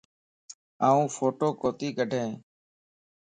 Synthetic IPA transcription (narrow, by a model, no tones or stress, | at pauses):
aːũːfʰoːʈoːkoːt̪iːkəɖʱẽː